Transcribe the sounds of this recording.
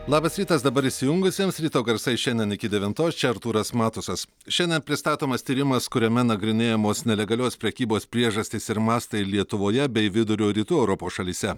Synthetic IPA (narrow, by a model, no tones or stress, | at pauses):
lˠɑːbɐsɾʲiːt̪ɐsd̪ɐbɐɾɪʃʲsʲɪjʊŋɡʊsʲiːmsɾʲiːt̪oːɡɐɾsɐɪʃʲɛnʲd̪ʲɛnɪkʲɪd̪ʲɛʋʲɪnt̪oːst͡ʃʲɛɐɾt̪uːɾɐsmɑːt̪ʊsɐs | ʃʲɛnʲd̪ʲɛnpʲɾʲɪst̪ɑːt̪oːmɐst̪ʲiːɾʲɪmɐskʊɾʲɛmʲɛnɐɡɾʲɪnʲeːjɛmoːsnʲɛlʲɛɡɐlʲoːspʲɾʲɛkʲiːboːspʲɾʲiɛʒɐsʲt̪ʲɪsɪɾmɑːst̪ɐɪlʲiɛt̪ʊʋoːjɛbʲɛɪʋʲɪd̪ʊɾʲoːɾʲiːt̪uːɛʊɾɔpoːsʃɐlʲiːsʲɛ